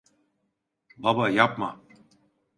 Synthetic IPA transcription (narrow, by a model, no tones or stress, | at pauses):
babajap̚ma